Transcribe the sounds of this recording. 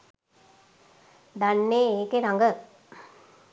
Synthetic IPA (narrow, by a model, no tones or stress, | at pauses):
d̪anːeːeːkeɾaŋɡə